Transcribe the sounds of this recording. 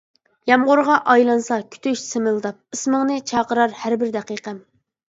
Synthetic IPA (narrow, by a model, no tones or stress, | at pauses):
jɑmʁʊɾʁɑʔɑjlˠɑnsɑkʲʰy̥t̪ʰyʃsɪmɨlˠd̪ɑp̚ɨsməŋnɨt͡ʃʰɑːqəɾɑɾhæɾbɪɾd̪æqiqʰɛm